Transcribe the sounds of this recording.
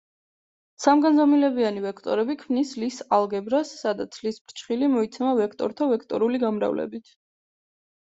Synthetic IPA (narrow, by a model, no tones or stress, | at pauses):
samɡanzamilɛbianivɛkʰt̪ʼɔ̰ɾɛbikʰmnislisalˠɡɛbɾasːad̪at̪sʰlisb̥ɾt͡ʃʰχilimɔit̪sʰɛmavɛkʰt̪ʼɔ̰ɾt̪ʰavɛkʰt̪ʼɔ̰ɾuliɡamɾa̰vlɛ̰bit̪ʰ